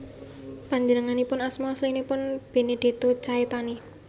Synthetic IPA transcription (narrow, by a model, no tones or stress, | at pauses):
paɲd͡ʒənəŋanipʊnasmaaslinipʊnb̥e̤ned̪̥e̤t̪ot͡ʃaet̪ani